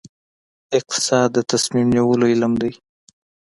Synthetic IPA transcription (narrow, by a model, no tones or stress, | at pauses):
ɪq̚t̪ɪ̥sɑd̪ːət̪asmimjawəloɪlmd̪aj